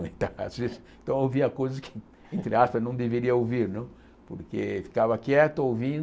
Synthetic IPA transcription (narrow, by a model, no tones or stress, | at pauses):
ẽt̪aa̰zvez | t̪ɐ̃w̃ewviɐkojzɐskɪ̥ | ẽnt̪ɾɪaspɐznɐ̃w̃d̪eveɾiɐowviɾnɐ̃ | po̰ɾkḛfi̥kavɐkɛt̪ʊowvĩ